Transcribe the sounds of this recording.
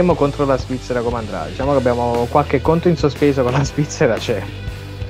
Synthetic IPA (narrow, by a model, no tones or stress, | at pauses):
eːmokont̪ɾolazpit̪sːeɾakomeand̪ɾa̰d̪it͡ʃaːmokeabːjaːmokwalk̟ekːont̪oinsospeːszokonlːazvit̪sːeɾat͡ʃɛ